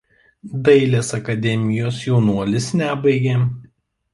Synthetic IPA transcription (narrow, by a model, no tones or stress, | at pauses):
d̪ɐɪlʲeːsɐkɐd̪ʲɛmʲɪjoːsjɛʊnuɔlʲɪsnʲæbɐɪɡʲeː